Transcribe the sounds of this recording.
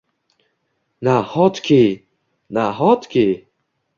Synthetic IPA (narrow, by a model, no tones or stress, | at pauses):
nahɔt̪kʰe | naɦɔt̪kʰe